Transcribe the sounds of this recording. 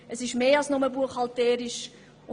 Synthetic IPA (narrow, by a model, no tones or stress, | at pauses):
əsɪʃmeːɑlsnoməbuəχɑltɛːɾɪʃ